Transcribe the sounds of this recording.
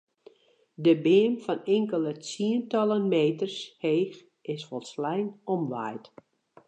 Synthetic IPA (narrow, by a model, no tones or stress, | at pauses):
dəbɪːəmfɔnɪŋkələt͡siəntɔlˠənmeːtərsheːx | ɪsfɔlˠslɛjnɔmʋajt